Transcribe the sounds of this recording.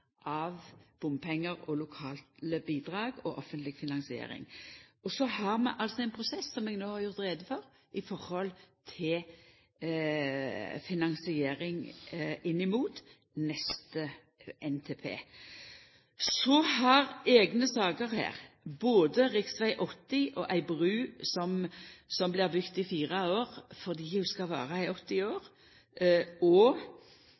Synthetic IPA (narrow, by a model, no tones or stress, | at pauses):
ʔɑʋb̥ʊmpʰɛŋːəɾɔlʊkʰɑːlt̪əbiːd̪ʁɑːɡɔʔɔfənt̪lɪɡfɪnɑnsɪḛːɾɪ̰ŋɔsɔhɑɾmɛ̰ʔɑlsɔɛɪnpʰʁʊsɛsːɔmɛːɡnoːhɑʁjʊɾt̪ʁeːd̪əfɔɾ | ʔɪfɔɾhɔlt̪ʰɪl | fɪnɑnsɪeːɾɪŋɪnːɪmuːt̪ | nɛst̪ə | ʔɛnt̪ʰeːpʰḛː | sɔhɑʁeːɡnəsɑːɡəɾhæ̰ːʁ | boːd̪əʁɪksʋæɪʔɔt̪ːɪʔɔʔæɪbʁʉːsɔmsɔmblɪʁd̪ʏkt̪ɪfiːʁəoːʁfɔʁd̪iːjʊskɑʋæ̰ːʁəɪɔt̪ːɪoːʁ | ɔ